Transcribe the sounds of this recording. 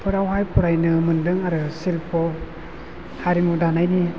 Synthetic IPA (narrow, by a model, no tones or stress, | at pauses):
pʰɯɾawɦajpʰuɾajnɯmɯndɯŋaɾɯsilpʰɔ | haɾimudanajni